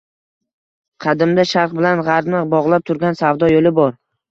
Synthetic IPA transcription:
qʰɑd̪ɪmd̪aʃaɾqbɪlanʁɑɾnɪbɒʁlˠap̚t̪ʰʊɾɡʲansavd̪ɒjolɪbɒɾ

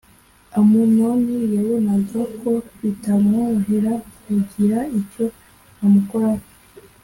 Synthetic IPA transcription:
amunonijaβunazokoβitamŋoɦeɾauɟiɾaico̞ | amukoɾaɾ

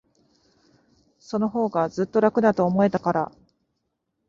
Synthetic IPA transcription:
so̞no̞ɦo̞ːɡazɨt̪ːo̞ɾakɯ̟nat̪o̞ːmo̞e̞t̪akaɾa̰

